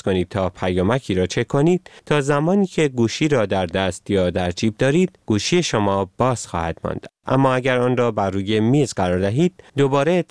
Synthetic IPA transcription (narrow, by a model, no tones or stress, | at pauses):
ko̞niːd̪̚t̪ʰɒːpʰæjɒːmæcʰiːɾɒːt͡ʃʰe̞kʰo̞niːd̪̥t̪ʰɒːzæmɒːniːcʰe̞ɡuːʃiːɾɒːd̪æɾd̪æst̪jɒːd̪æɾd͡ʒiːb̚d̪ɒːɾiːd̪̥̚ɡ̥uːʃiːje̞ʃomɒːb̥ɒːz̥xɒ̰ːhæd̪̥mɒ̰ːnd̪̥ʔæ̰mːɒːæɟæɾɒːnrɒːbærːuːje̞miːzɡɢæɾɒːɾd̪æɦiːd̪̥̚d̪obɒːɾe